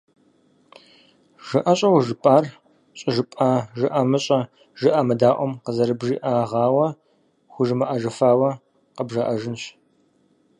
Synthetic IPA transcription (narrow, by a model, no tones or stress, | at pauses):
ʒ̥ɨʔɐɕʼɐwʒɨpʼaːr | ɕʼɐʒɨpʼaːʒɨʔɐmɨɕʼɐ | ʒɨʔɐmɐdaːʔʷɔmqəzɐɾɨbʒiːʔaːʁɑːwɐ | xʷʊʒɨmɐʔɐʒɐfaːwɐ | qəbʒaʔɐʒɨnɕ